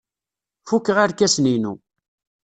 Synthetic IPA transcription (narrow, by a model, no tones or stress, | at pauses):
fukːəʁaɾkæsninṵ